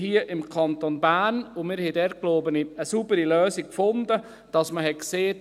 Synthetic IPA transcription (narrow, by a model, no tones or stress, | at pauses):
ɦiəʔɪmkʰɑntonbæːnʊmɪːɾhɛɪdɛɾt̚kloːbəniəsubəɾiløːsikkfʊndə | d̥ɑsməɦɛkseː